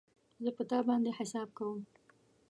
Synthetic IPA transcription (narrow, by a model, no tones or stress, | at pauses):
zəpət̪ɑbɑnd̪eħɪsɑb̚kawəm